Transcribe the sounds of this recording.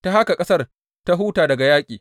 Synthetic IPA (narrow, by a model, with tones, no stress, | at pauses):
ta˦ɦa˦ka˨kʼɐ˦sɐ˦r | ta˦ɦuː˦taː˨dɐ˨ɡa˨jaː˦kʲʼiː˨